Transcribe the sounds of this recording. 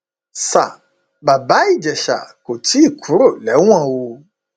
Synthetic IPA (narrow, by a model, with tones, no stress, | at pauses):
sa˨ | ba˨ba˨˦i˦˨d͡ʒɛ˨ʃa̰˨ko˨ti˦i˦˨kʰu˨˦ɾo˦˨lɛ˨˦w̃ã˦˨wo˧